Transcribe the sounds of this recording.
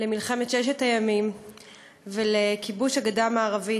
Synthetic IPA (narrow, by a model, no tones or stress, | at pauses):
lemilχemetʃeʃ̬etajamim | velekibuʃaɡadamaːʁavi